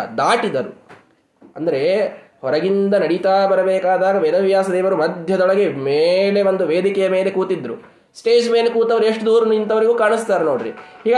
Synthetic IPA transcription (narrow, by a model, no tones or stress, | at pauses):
d̪aːʈid̪ɐɾṵ | ɐnd̪ɐɾe̞hɔɾɐɡint̪ɐnɐɽit̪aːbɐɾɐbeːkaːd̪aːɡɐʋɛd̪ɐʋjaːsɐd̪ɛːʋɐɾumɐd̪ʱjɐd̪ɔɭɐɡe̞meːle̞ʋond̪uʋeːd̪ikɛjɐme̞ːle̞kuːt̪id̪ːɾṵ | sʈe̞ːd͡ʒmeːlekuːt̪ɐʋɐɾueʂʈd̪uːɾɐnuint̪ɐʋɐɾiɡuːkaːɳist̪aːɾeno̞ːɽɾḭhiːɡa